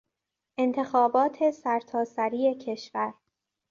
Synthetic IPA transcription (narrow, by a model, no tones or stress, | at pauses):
ʔe̞nt̪ʰe̞xɒːbɒːt̪ʰe̞sæɾt̪ʰɒːsæɾiːe̞cʰe̞ʃvæɾ